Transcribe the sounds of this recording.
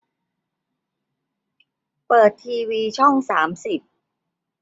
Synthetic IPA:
pɤː˨˩t̪ʰːiː˧wiː˧t͡ɕʰɔ˥˩ŋsaː˩˦msi˨˩p̚

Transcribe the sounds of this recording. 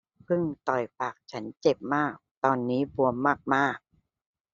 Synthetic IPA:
pʰɯ˥˩ŋt̪ɔ˨˩jpaː˨˩k̚t͡ɕʰa˦˥nt͡ɕe˨˩p̚maː˥˩k̚t̪ɔː˧nːiː˦˥bu˧əmːaː˥˩k̚maː˥˩k̚

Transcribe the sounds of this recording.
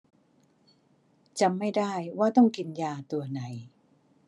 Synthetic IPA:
t͡ɕa˧˨mːa˥˩jdaː˥˩jwaː˥˩t̪ɔ˥˩ŋki˧njaː˧t̪u˧ɐna˩˦j

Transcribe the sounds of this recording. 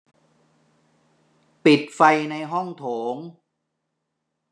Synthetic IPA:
pi˨˩t̪̚fa˧jna˧jɦɔ˥˩ŋt̪ʰoː˩˦ŋ

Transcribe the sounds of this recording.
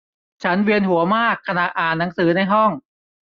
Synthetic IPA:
t͡ɕʰa˦˥nwi˧ənhu˩˦ɐmaː˥˩kʰːa˧na˨˩ʔaː˨˩nːa˩˦ŋsɯː˩˦na˧˩jɦɔ˥˩ŋ

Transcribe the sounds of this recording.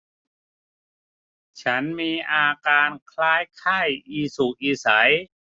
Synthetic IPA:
t͡ɕʰa˦˥nmiː˧ʔaː˧kaː˧nkʰlaː˦˥jkʰaː˥˩jʔiː˧˩su˨˩k̚ʔiː˧˩sa˩˦j

